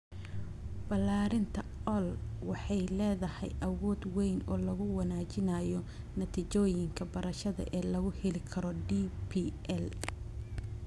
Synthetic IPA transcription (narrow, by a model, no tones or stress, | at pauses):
b̥ɐlːaːɾɪnt̪ʰɐʔɔlwɑħɑjlɛːðɐhɛ̰jʔɐwɔːd̪wɛjnɔːlɐɣʊwɐnaːt͡ʃɪnaːjɔ | nɐt̪ʰit͡ʃɔːjɪŋkʰɐbɐɾɐʃɐðɐ̰ʔɛːlɐɣʊhɛlɪkʰɐɾɔɖipʰiːʔɛl